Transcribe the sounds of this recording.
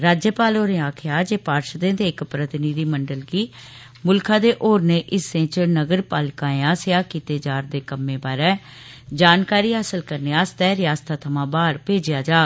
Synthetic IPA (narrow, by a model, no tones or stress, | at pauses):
ɾaːd͡ʒjəpaːloːnẽːaːkʰɪjaːd͡ʒeːpaːɾʃd̪ẽːd̪eːɪkpɾət̪ɪnid̪iːməɳɖəlɡiː | mʊlkʰãːd̪eːʔoːɾneːʔɪsẽːt͡ʃnəɡəɾpaːlkãːeãːsɪjaːkiːt̪eːd͡ʒaːɾd̪eːkəmːẽːbaːɾɛː | d͡ʒaːnkaːɾiːɦaːsəlkəɾneːaːst̪ɛːɾɪjaːst̪ʰaːt̪ʰəmãːbaːɾpeːd͡ʒɪjaːd͡ʒaː